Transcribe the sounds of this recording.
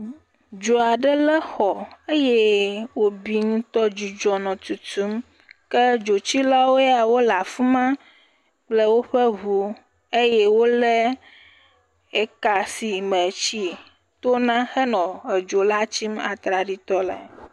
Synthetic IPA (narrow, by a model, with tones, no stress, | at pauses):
d͡ʒo˨a˨ɖə˦lɛ˦xɔ˨e˦je˦wo˦bi˦ŋũ˦t̪ɔ˦d͡ʒu˨d͡ʒɔ˨nɔ̃˨t̪u˨t̪u˦m | kɛ˦d͡ʒo˨t͡ɕi˦la˦wo˦a˨wo˦la˨fu˦mã˦ | k͡ple˦wo˦ɸɛ˦βu˦ | e˦jɛ˦wo˦lɛ˦ | e˨ka˨si˨mɛ˨t͡ɕi˦ | t̪o˦nã˦xɛ˦nɔ̃˨e˨d͡ʒo˨la˦t͡ɕi˦ma̰˨t̪ɾa˨ɖi˨t̪ɔ˦lɛ̰˨